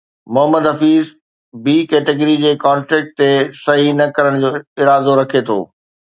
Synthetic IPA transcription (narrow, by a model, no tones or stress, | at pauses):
mʊɦəməd̪ɦɐfiːz | biːkɛːʈɪɡəɾid͡ʑeːkɔ̃ːnʈɾɛːk̚ʈ̚t̪esɐɦinɐkɐɾəɽ̃d͡ʑoːɪɾaːd̪oɾɐkʰet̪ʰo̰ː